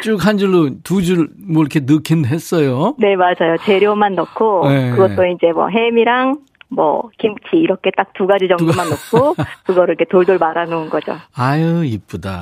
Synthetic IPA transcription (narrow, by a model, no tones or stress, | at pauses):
t͡ɕ͈uk̚ɦand͡ʑuɭːotud͡ʑuɭ | mwʌiɾʌkʰenɯkʰinɦe̞s͈ʌjone̞mad͡ʑajot͡ɕe̞ɾjomannʌkʰoekɯɡʌt͈oind͡ʑe̞mwʌ̰ɦe̞miɾaŋ | mwʌ̰kimt͡ɕʰiːɾʌkʰe̞t͈ak̚t͈uɡad͡ʑid͡ʑʌŋmannʌkʰokɯɡʌɾɯɭɾikʰetoɭdoɭmaɾanounɡʌd͡ʑo̰ajɯip̚p͈uda̰